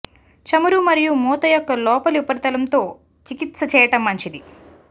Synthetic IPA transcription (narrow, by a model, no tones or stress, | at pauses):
t͡ʃɐmuɾumɐɾijumuːt̪ɐjɔkːɐlɔːpɐlupɐɾt̪ɐlɐmt̪o̞ː | t͡ʃikit̪sɐt͡ʃɛːjɐʈɐmːɐɲt͡ʃid̪i